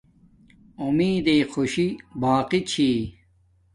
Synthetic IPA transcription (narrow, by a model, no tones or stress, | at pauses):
umiːd̪eːxoɕibaːqit͡ɕʰi